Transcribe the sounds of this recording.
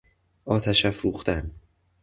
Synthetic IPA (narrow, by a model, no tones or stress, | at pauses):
ʔɒːt̪ʰæʃæfɾuːxt̪æn